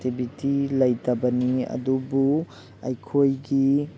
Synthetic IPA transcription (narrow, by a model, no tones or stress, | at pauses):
tibʱitilɐjtʰɐbɐniɐ̰dubu | ɐ̰jkʰojɡi